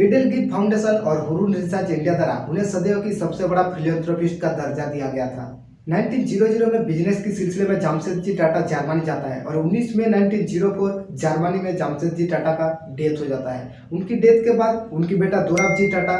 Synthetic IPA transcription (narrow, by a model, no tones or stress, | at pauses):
meɖelɡiːʈ̚pʰaːʊ̃ɳɖeːsənɔːɾɦʊɾuːnɪnsat͡ʃɪ̃ɳɖijad̪aːɾa̰ɦʊnɦẽsɐd̪eɦõkisɐbsebɐɽapʰɪliə̃ːnt̪ɾoːpɪsʈkad̪ɐɾd͡ʒaɾd̪ijaɡɐjat̪ʰa̰ː | naːɪ̃nʈiːnd͡ʒiːɾod͡ʒiːɾomẽbɪd͡ʒneskisɪlsɪlemẽd͡ʒaːmsed̪̚d͡ʒiʈaːʈad͡ʒaːɾmaːnid͡ʒaːt̪aɦɛ̰ʔɔːɾʊnːiːsmẽnaːɪnʈiːnd͡ʒiːɾopə | d͡ʒaːɾmaːnimẽd͡ʒaːmsed̪̚d͡ʒiʈaːʈakaɖeːt̪ɦod͡ʒaːt̪aɦɛ̰ː | ʊnkiɖeːt̪kebaːd̪ʊnkibeːʈad̪oːɾad͡ʒiʈaːʈa